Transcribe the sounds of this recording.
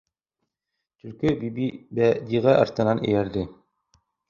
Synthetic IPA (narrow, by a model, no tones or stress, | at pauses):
t̪ɵ̆ɾkɵbibibæd̪iʁæʔɑ̰ɾt̪ɤ̆nɑnɘ̰̆jæɾd̪ɘ